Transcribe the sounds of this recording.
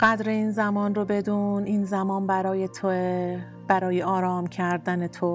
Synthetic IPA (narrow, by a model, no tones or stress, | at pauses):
ɢæd̪ɾe̞iːnzæmɒːnrobe̞d̪uniːnzæmɒːnbæɾɒːjet̪ʰo | b̥æɾɒːjeʔɒːɾɒːmcʰæɾd̪ænet̪ʰo